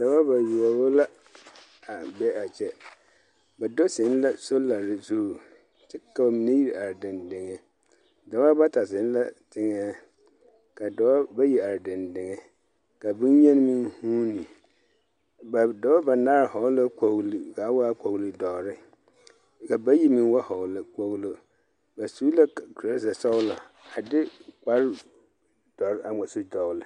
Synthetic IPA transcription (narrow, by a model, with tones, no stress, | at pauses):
da˨wa˦ba˨ju˨ɔ˨bo˦la˦ | a˨bɛ˦a˨t͡ʃɛ˦ | ba˨do˦sɪ˨˦n˦la˦so˦la˨ɾɪ˨zuː˦˨ | t͡ʃɛ˦ka˨mi˨na˦ji˦ɾi˨a˨ɾdɪ̃˨ndɪ˨ŋɛ˨ | da˨wa˦ba˦ta˨sɪ˨˦n̩˦la̰˦tʰɪ˨ŋɛː˦ | ka˨dɔ˨˦ba˦ji˨a˨ɾdɪ̃˨ndɪ˨ŋɛ˨ | ka˨bĩ˦n˦ɲɛ̃˦n˦mĩ˦nhũ˦nĩ˨ | ba˨dɔ˨˦a˦ba˨na˦ɾhɔ˨˦la˦ko˨ɣli˨ka˨˦wa˦a˦ko˨wli˨dɔ˨ɾɪ˦ | ka˨ba˦ji˦mĩ˦nwa˦hɔ˨lɪ˨k͡po˦ɣlo˦ | ba˨su˦la˦˨ku˨ɾa˦zɛ˨sɔ˦wla˨ | a˨dɪ˦k͡pa˦ɾ | d̥ɔ˨ɾa˨mɛ˨sʊ˦dɔ˨lɪ˦